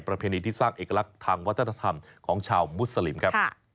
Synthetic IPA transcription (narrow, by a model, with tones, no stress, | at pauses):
pɾa˧pʰeː˧niː˧t̪ʰiː˥˩saː˥˩ŋʔeː˨˩ka˧la˦˥k̚t̪ʰaː˧ŋwt̪ʰːna˧t̪ʰa˧mkʰɔː˩˦ŋt͡ɕʰaː˧wmu˦˥t̪̚sa˧li˨˩˦mkʰa˦˥